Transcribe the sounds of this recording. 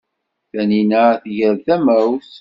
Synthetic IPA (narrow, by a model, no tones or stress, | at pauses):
θæninəθʝəɾvθæmæwθ